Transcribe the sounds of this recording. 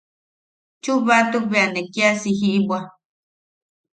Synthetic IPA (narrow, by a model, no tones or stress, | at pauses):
t͡ʃuβat̪uβeanekiasiɦiʔbwa